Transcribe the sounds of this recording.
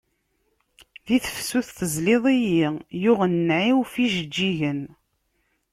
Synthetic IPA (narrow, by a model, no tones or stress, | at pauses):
ðiθəfsuθθəzleðˤijijʊʁənːʕiwfiʒəd͡ʒːiʝən